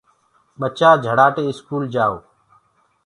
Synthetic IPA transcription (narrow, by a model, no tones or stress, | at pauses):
ɓət͡ʃaːd͡ʒʱəɽaːʈeːɪskuːld͡ʒaːoː